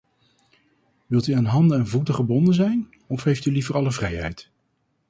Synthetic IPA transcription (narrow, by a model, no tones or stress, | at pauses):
ʋɪlˠtyaːnɦɑndəɛnvutəχəɹbɔndənzɛjn | ɔfɦejftylivərɑləvrɛjɦɛ̰jt